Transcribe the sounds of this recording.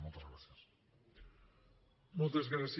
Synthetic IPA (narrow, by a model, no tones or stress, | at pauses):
mõlˠt̪ɐzɣɾasiɐ | mõlˠt̪ɐzɣɾas